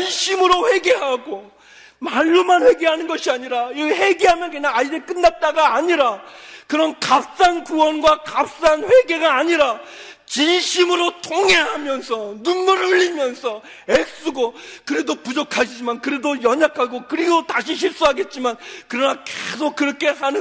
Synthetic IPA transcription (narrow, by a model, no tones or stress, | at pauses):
t͡ɕinɕʰimɯɾoɸwe̞ɡe̞ɦaɡo | maɭːomanɸwe̞ɡe̞ɦanɯnɡʌɕʰiaɲiɾaihe̞ɡeɦamjʌnkɯɲaŋaidek͈ɯnːat̚t͈aɡaːɲiɾakɯɾʌnkap̚s͈ankuwʌnɡwakap̚s͈anɸwe̞ɡe̞ɡaːɲiɾa | t͡ɕinɕʰimɯɾotʰoŋeɦamjʌnsʰʌnumːʌɾuʎːimjʌnsʰʌ | ek̚s͈uɡokɯɾedopud͡ʑʌkʰaɕʰid͡ʑimankɯɾedojʌɲakʰaɡokɯɾiɡotaɕʰiɕ̬ʰiɭs͈uɦaɡe̞t̚t͡ɕ͈imankɯɾʌnake̥sʰok̚k͈ːɯɾʌkʰe̞ɦanɯ